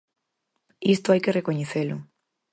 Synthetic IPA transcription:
ist̪ʊajkerekoɲeθelʊ

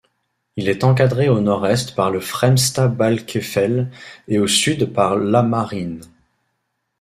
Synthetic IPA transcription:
ilɛt̪ɑ̃k̬ad̪ʁeonɔʁɛst̪paʁləfχɛmst̪abalkʲʰefɛleosyd̪paʁlamaʁin

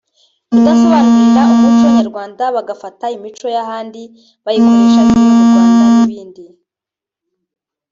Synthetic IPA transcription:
βudaso̞βanuɾiɾaumut͡ʃoɲaɾɡwaːndaβaɡafataimit͡ʃo̞jahaːndi | βajikoɾeʃaβiuaːnaniβiːndi

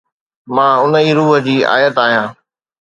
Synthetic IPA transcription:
mãːʊnəiːɾuːɦə̆d͡ʑiːa̰ːjət̪aːɦijãː

